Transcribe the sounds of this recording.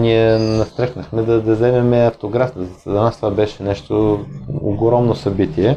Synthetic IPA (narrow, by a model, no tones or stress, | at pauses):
niɛnɐst̪ɾɛxnɐxmɛd̪ɐd̪ɐzɛmɛmɛɐft̪oɡɾafnəzɐnast̪ovabɛʃɛnɛʃt̪oo̰ɡɾɔmnosɐbit̪iɛ